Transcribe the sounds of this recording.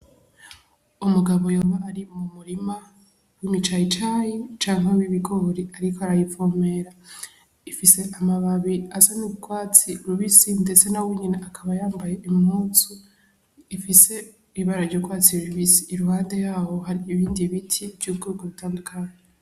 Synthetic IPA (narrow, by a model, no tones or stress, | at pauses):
umuɡaβo̞joːβaːɾimumuɾima | wimit͡ʃajit͡ʃaːjit͡ʃaːŋhaβiβiɡoɾiaɾikoaɾajifome̞ɾa | ifise̞ʔamaβaβiasanukwaːt͡siɾuβisinde̞t͡se̞naweɲineʔakʰaβajaːmbaje̞ʔimhuːt͡su | ifise̞ | iβaɾaɾɟoːkwaːt͡siɾuβisiːɾuhaːnde̞jaːho̞ɦaɾiːβiːndiβitʰibɟuːb̚ɡeuɡuβutaːndukʰaɲe